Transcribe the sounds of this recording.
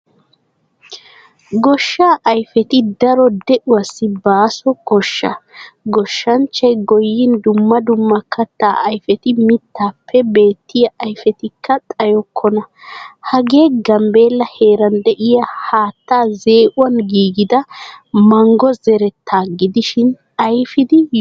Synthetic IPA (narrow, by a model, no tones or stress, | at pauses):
ɡɔʃːaːʔɐjfɛt̪ɪd̪ɐɾɔd̪ɛʔʊwasːɪbaːsɔkɔʃːɐ̰ɡɔʃːɐnt͡ʃːɐjɡɔjːɪnd̪ʊmːɐd̪ʊmːɐkːɐt̪ːaːʔɐjfɛt̪ɪmɪt̪ːaːpʰːɛbe̞ːt̪ːɪjɐʔɐjfɛt̪ɪkːɐt̪ʼɐjɔkʰːɔnɐhɐɡe̞ːɡɐmbe̞ːlːɐheːɾɐnd̪ɛʔɪjɐhaːt̪ːaːze̞ːʔʊwɐnɡiːɡɪd̪ɐmɐŋɡɔzɛɾɛt̪ʰːaːɡɪd̪ɪʃɪn | ɐjfɪd̪ɪ